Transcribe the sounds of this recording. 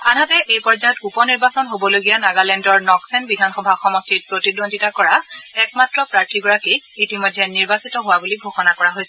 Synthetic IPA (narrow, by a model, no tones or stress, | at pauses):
anatɛʔejpɔɹzajɔtupɔniɹbasɔnɦobɔloɡijanaɡalɛndɔɹnɔksɛnbidʱanxɔbʱaxɔmɔstiɹpɹotidondʱitakɔɹaɛkmatɹɔpɹaɹtʰiɡɔɹakiː | timɔjdʱɛniɹbasitɔɦʊwabuliɡʱoxɔnakɔɹaɦojsɛ